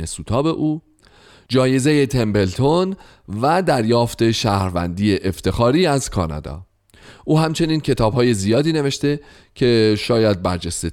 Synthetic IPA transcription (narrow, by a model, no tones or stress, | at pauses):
esuːt̪ʰɒːbe̞ʔuː | d͡ʒɒːje̞zeje̞t̪ʰe̞mbe̞lt̪ʰon | væd̪æɾjɒːft̪e̞ʃæːhɾvæ̰nd̪iːjeʔeft̪ʰe̞xɒːɾiːæzkʰɒ̰ːnɒ̰d̪ɒ̰ː | ʔuːhæmt͡ʃʰe̞niːncʰe̞t̪ʰɒːb̥ɦɒːje̞zijɒːd̪iːne̞ve̞ʃt̪e̞ | cʰe̞ʃɒːjæd̪̚bæɾd͡ʒest̪e